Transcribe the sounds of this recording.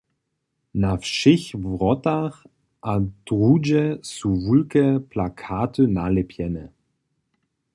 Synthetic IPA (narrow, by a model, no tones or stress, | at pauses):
nafʃɪçvʁɔtaχ | ʔad̥ʁuːd͡ʒɛsuvulkɛpʰlakʰaːtʰənalɛpʰjɛnə